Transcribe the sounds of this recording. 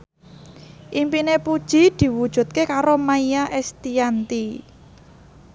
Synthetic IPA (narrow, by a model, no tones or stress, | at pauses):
ʔimpinepud̥ʒ̥i̤d̪̥i̤wud̥ʒ̥ṳt̪̚kekaɾomaijaʔɛst̪iant̪i